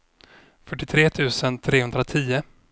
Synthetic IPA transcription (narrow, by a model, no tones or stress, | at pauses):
fœʈːɪt̪ʰɾeːt̪ʰʉ̟ːsənt̪ʰɾeːhɵnd̪ɾat̪ʰiːʊ